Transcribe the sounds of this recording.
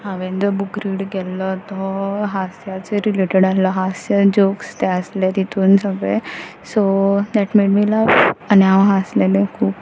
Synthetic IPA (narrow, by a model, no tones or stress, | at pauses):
ɦaʋẽnd̪əbukɾiːɽɡɛlɔt̪ɔɦasjat͡seɾileʈeɽalɔɦasjad͡ʑokst̪ɛəslet̪it̪uːnsəɡɭe | sod̪ɛʈmeɖmiːlaaniãʋɦaslenẽkʰuːp